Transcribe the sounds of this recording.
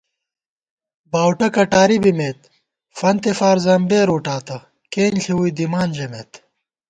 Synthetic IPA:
baːwʈɐkɐʈaːɾibimeːt̪ | fɐnt̪efaːɾzɐmbeːɾuːʈaːt̪ɐ | keːnɬʰiwuid̪imaːnd͡ʑemet̪

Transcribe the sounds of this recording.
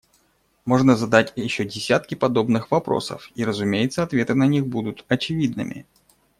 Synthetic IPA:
mo̞ʐnəzɐd̪atʲjɪɕːodʲɪsʲat̪̚kʲɪpɐd̪o̞bnɨxvɐpɾo̞̰sə̰fiɾəzʊmʲejɪt̪səɐt̪vʲe̞t̪ɨnɐnʲixbud̪ʊt̪ɐt͡ɕɪvʲid̪nɨ̰mʲɪ̰

